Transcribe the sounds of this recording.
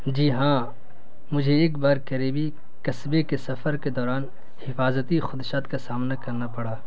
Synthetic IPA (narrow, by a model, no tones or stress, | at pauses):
d͡ʒiːɦãː | mʊd͡ʒʱeːkbaːɾkɐɾebʱi | kɐsbekesɐfəɾked̪ɔːɾaːn | hɪfaːzət̪ixʊd̪ʃaːt̪kasaːmnakɐɾnapɐɽaː